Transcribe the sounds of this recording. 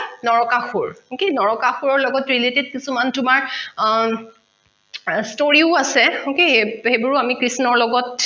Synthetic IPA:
nɔɹɔkaxuɹokenɔɹɔkaxuɹɔɹlɔɡɔtɹileted̚kisumantʊmaɹ | stoɹiʊasɛokehebɔɹuamikɹisnɔɹlɔɡɔt

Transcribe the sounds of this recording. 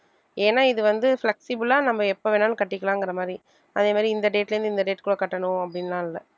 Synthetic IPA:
eːnːaːɪðɯʋɐnd̪ɯflɛksɪbɯlaːnɐmːɐɛpːoːʋeːnaːnɯkɐʈːɪkːɐlãːɛŋɡɪɾɐmaːd̪ɾi | ɐðeːmaːd̪ɾiɪnd̪ɐɖeːʈlɐɾnd̪ɯɪnd̪ɐɖeːʈkɯɭːɐkɐʈːɐnʊ̃ɐpːɐɽɪnːaːɪlːɐ

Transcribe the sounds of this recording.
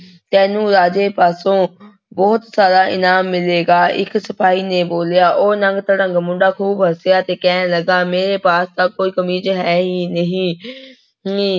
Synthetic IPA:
t̪ɛ̃ːnũːɾaːd͡ʒeːpaːsõː | bɔːt̪saːɾaːʔɪnaːmːɪleːɡaːʔɪ̰ksəpaːiːneːboːljaːʔoːnəŋɡt̪ɽəŋɡmʊ̃ɳɖaːkʰuːbɦəsɪjaːt̪eːkɛːnːləɡaːmeːɾeːpaːst̪aːkoːiːkəmiːd͡ʒəɦɛːɦiːnəɦĩː

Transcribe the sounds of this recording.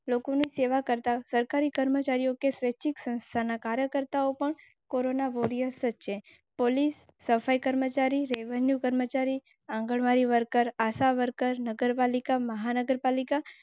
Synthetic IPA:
lokoniseʋakəɾt̪asəɾkaɾikəɾmət͡ʃaɾijokesʋet͡ʃʰiksə̃nst̪ʰanakaɾjəkəɾt̪aopəɳ | koɾonaʋoɾijəɾsət͡ʃʰe | polisːəfaikəɾmət͡ʃaɾiɾeʋənjukəɾmət͡ʃaɾi | ãŋɡəɭʋaɾiʋəɾkəɾasaʋəɾkəɾnəɡəɾpalikaməɦanəɡəɾpalika

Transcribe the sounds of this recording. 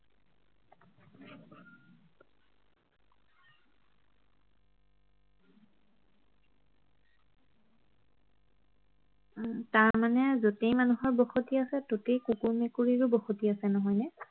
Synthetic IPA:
taɹmanɛzotejmanuɦɔɹbɔxotiasɛtotejkukuɹmekuɹiɹubɔxotiasɛnɔɦɔjnɛ

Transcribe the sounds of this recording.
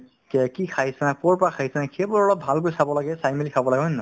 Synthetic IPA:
kɛkikʰaɦisɛnak̚pɔɹpɔɹakʰaɦisɛnakkʰebɔɹɔlɔp̚bʱalk̬ojsabɔlaɡɛsajmelikʰabɔlaɡɛɦojnɔ

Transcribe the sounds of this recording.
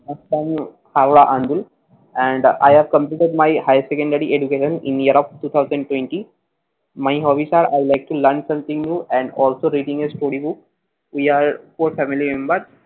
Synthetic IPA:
nəsʈãm | haːʋɽaʔãnd̪ul | ɛ̃ɳɖa̰jhæʋkə̃mpliːʈeɖmaɪhaɪsekə̃ɳɖəɾiʔed͡ʒukeːʃə̃nɪ̃nijəɾɔfʈuːt̪ʰaʊzə̃ɳɖʈwẽɳʈi | maɪɦɔːʋisaːɖa̰ɪlaɪk̚ʈuləɾnsɐ̃mt̪ɪ̃ŋnjuːɛ̃ɳɖɔːlsoɾiːɖĩŋesʈoːɾibʊk | wiaːɾfoɾfæmilimẽmbəɾ

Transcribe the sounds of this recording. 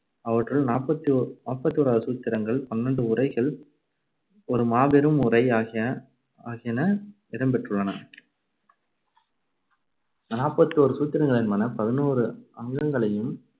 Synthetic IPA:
ɐʋɐʈrɯɭnaːpːɐt̪ːinaːpːɐt̪ːioːɾaːðɐsuːt̪ːɪɾɐŋɡɐɭpɐnːɐɳɖɯʊrɐɪɣɐɭ | ɔɾɯmaːbɛɾɯmʊrɐɪaːɐ | aːɣɪjɐnɐ | ɪɾɐmbɛʈrɯɭːɐnɐ | naːpːɐt̪ːioɾɯsuːt̪ːɪɾɐŋɡɐɭɪnmɐnɐpɐðɪnuːɾɯɐŋɡɐŋɡɐɭɐjɯm

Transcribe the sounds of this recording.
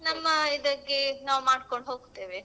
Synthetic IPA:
nɐmːɐid̪ɐɡenaːʋmaːɖkoɳɖɦoːɡt̪ːeːʋe

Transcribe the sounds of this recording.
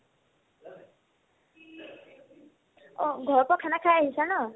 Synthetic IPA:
ɔɡʱɔɹpɔkʰanakʰajaɦisanɔ

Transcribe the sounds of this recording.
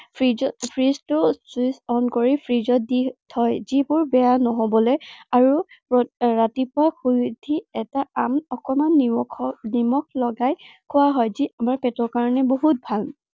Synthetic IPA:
pʰipʰɹiztʊtisɔnkoɹipʰɹizɔt̚ditʰɔjzibʊɹbɛjanɔɦobɔlɛaɹupɔɹatipʊaxujdʱiɛtaamɔkɔmanʰɔnimɔk̚ʰlɔɡajkʰʊwaɦɔjziʔamaɹpɛtɔkaɹɔnɛboɦut̚bʱal

